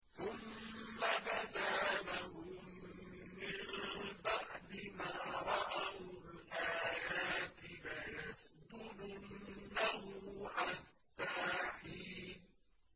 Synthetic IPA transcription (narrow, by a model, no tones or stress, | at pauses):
θʊmːabad̪aːnaɦʊmː | ɪmbaʕd̪ɪmaːɾˤɑʔawlʔaːjaːt̪ɪlajasd̪ʊlʊnːahʊʕat̪ːaːħiːn